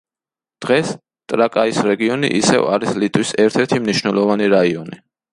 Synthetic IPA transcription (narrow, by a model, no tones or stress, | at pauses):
d̪̥ʁɛs | t̪ʼɾakʼaisɾɛɡiɔnḭʔisɛ̰va̰ɾislit̪ʼwisɛɾt̪ʰɛɾt̪ʰimniʃnɛlˠɔvaniɾaiɔni